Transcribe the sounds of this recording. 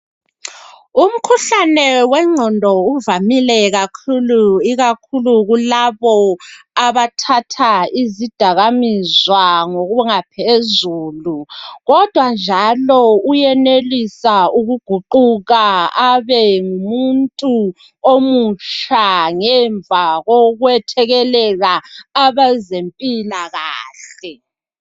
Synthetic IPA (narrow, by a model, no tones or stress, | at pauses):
um̩kʰuɬanɛwɛŋ͡ǀʱɔndʱɔuvamilɛɣakʰuluiɣakʰuluɣulaβɔaβatʰatʰaizid̥ʱaɣamizwaŋoɣuŋapʰezuːluɣɔd̥ʱwand͡ʒʱalɔujɛnelisauɣuɡ̥ʱuǃuɣaaβɛŋumuntʼu | omut͡ʃʰaŋɛɱvʱaɣoɣwɛtʰɛɣɛlɛɣaːβazempʼilaɣaːɬɛ